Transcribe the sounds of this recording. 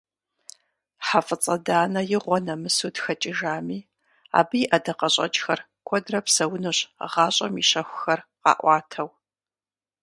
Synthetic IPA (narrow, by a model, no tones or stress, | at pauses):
ħafɨt͡sʼɐdaːnɐjɪʁʷɔnɐmɨsutxɐt͡ʃʼɪʒaːmiː | a̰ːbɨjʔɐdɐqɐɕʼɐ̰t͡ʃʼxɐr | kʷʰɔdrɐpsɐwʊnɨɕʁɑːɕʼɐmiɕɐxʷʊxɐrqɑ̰ːʔʷɑːtʰɐw